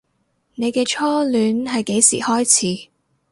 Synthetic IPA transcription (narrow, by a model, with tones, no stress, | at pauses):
ne˨˧jkɛː˧t͡ʃʰɔː˥lyː˨˥nɦɐ˨jke˨˥jsḭː˨˩hɔː˥jt͡sʰiː˨˥